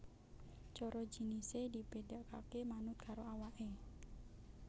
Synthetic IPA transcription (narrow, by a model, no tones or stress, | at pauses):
t͡ʃɔɾɔd͡ʒinisedipedaʔkakemanʊt̪̚kʰaɾoawaʔe